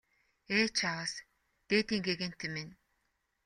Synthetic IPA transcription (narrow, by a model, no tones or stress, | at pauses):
eːt͡ɕʰawəs | t̪eːt̪iːŋɡeɣĕn̥t̪ʰemen